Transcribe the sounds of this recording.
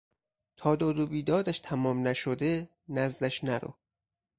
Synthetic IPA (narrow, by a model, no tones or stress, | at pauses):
t̪ʰɒːd̪ɒːd̪obiːd̪ɒːd̪æʃt̪ʰæmɒːmnæʃod̪e | næzd̪æʃnæɾo̰